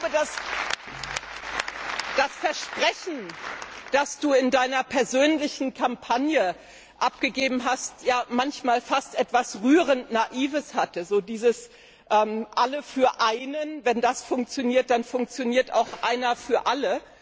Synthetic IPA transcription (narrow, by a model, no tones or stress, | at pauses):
bədas | d̥asfɛɐʃpʁ̥ɛçn̩d̥asd̥uːɪndaɪnɐpʰɛɐzøːnlɪçn̩kʰampʰanjə | ʔap̚ɡ̥əɡeːbm̩ɦastjaːmançmaːlfastʔɛtv̥asʁyːʁəntnaʔiːvəshatəzoːdiːzəs | ʔɛːmʔaləfyːɐʔaɪnənvɛndasfʊŋk̚t͡sjoniːɐt̚d̥anfʊŋk̚t͡sjoniːɐta̰ʊxʔa̰ɪnɐfyːɐʔalə